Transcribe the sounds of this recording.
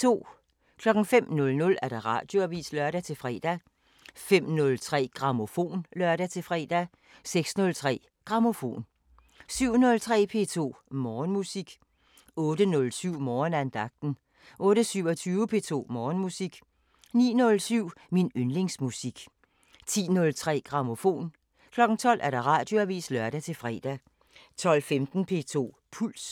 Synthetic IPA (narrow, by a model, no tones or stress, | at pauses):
t͡sʰo̝̰ː | kʰlɒ̽ɡ̥ŋ̩fem̰nɔ̽lnɔ̽læɐɾ̥ɑ̈ʁɑ̰̈ːd̥jo̝æʋḭːslœɐɾ̥æt͡sʰe̝fʁɛ̰ːd̥æ | fem̰nɔ̽lt͡sʰʁɛ̰ːɡ̥ʁɑ̈mo̝fo̝̰ːnlɶɐɾ̥æt͡sʰe̝fʁɛ̰ːd̥æ | seɡ̥snɔ̽lt͡sʰʁɛ̰ː | ɡ̥ʁɑ̈mo̝fo̝̰ːn | syʊ̰nɔ̽lt͡sʰʁɛ̰ːpʰe̝̰ːt͡sʰo̝̰ːmɒːnmusiɡ̥ | ɔ̽ːɾ̥ənɔ̽lsyʊ̰mɒːnænd̥ɑ̈ɡ̥̚d̥n̩ | ʔɔ̽ːɾ̥əsyʊ̰ɒt͡sʰyːʊəpʰe̝̰ːt͡sʰo̝̰ːmɒːnmusiɡ̥ | nḭːnɔ̽lsyʊ̰minønle̝ŋsmusiɡ̥ | t͡sʰḭːnɔ̽lt͡sʰʁɛ̰ːɡ̥ʁɑ̈mo̝fo̝̰ːn | kʰlɒ̽ɡ̥n̩t͡sʰɒ̽l̰ʔæɐɾ̥ɑ̈ʁɑ̰̈ːd̥jo̝æʋḭːslɶɐɾ̥æt͡sʰe̝lfʁɛːd̥æ | t͡sʰɒ̽l̰femd̥n̩pʰe̝̰t͡sʰo̝̰ː | pʰul̰s